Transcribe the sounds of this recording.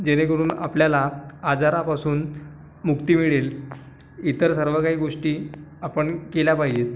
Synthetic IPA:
d͡ʑeñekəɽuːna̰pljalaad͡zaɾapasuːn | mukt̪imiɭel | it̪əɾsəɾʋəkaɦiːɡoʂʈiːapəɳkeljapaɦid͡ʑet̪

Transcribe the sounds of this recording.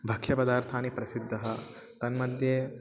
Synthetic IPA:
bʱɐkʃɐpɐd̪aːɾt̪ʰaːnipɾɐsid̪ʱːɐɦɐ | t̪ɐnmɐd̪ʱje

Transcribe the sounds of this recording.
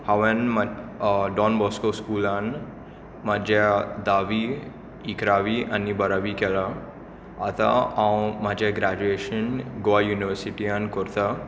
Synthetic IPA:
haʋanmaɖɔnbɔskoskulan | mad͡ʑad̪aʋi | ikɾaʋiʔanibəɾaʋikela | at̪a̰ãwmad͡ʑaɡɾad͡ʑueʃənɡoʋajuniʋəɾsiʈiankɔɾt̪a

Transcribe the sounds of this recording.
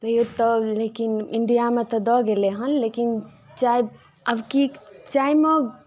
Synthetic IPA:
t̪ɐjot̪ɔlekiniɳɖijamet̪ɔd̪ɔɡeleɦɐnlekin | t͡ʃaːj | ɐbkit͡ʃaːime

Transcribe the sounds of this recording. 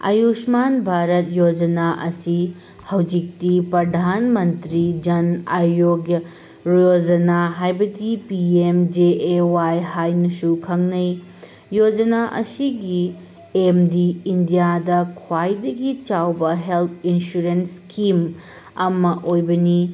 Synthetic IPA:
ɐ̰jusmanbʱaɾɐt̚jod͡ʒɐnaʔɐsi | hɐwd͡ʒik̚tipɾɐdʱanmɐntɾid͡ʒɐnɐɾjoɡ | ɾod͡ʒɐnaɦajbɐdipiemd͡ʒeewajɦajnɐsukʰɐŋnɐj | jod͡ʒɐnaʔɐ̰siɡi | emdiːndijadɐkʰwajdɐɡit͡ʃawbɐɦelt̪ʰinsuɾenskim | ɐmɐʔojbɐni

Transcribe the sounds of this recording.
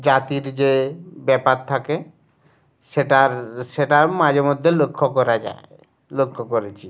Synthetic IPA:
d͡ʑat̪iɾd͡ʑebɛpatt̪ʰake | ʃeʈaɾʃeʈaɾmad͡ʑeɾmod̪ʱːelokʰːokɔɾad͡ʑa̰e | lokʰːokoɾet͡ɕʰi

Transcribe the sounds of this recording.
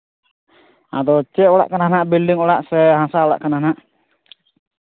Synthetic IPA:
a̰d̪ɔt͡ʃɛʔɔɽa̰ʔkanɦanaʔbilɖiŋɔɽaʔsɛɦasaɔɽa̰ʔkanhanaʔ

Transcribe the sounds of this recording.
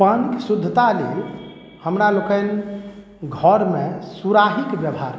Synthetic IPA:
paniksud̪ʱːət̪alḛl | həmɾalokən | ɡʱɔɾmesuɾaɦikbjəbɦa̰ɾ

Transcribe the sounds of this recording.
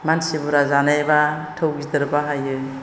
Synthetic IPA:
mansibuɾazanajba | tʰɯwɡidɯɾbaɦajɯ

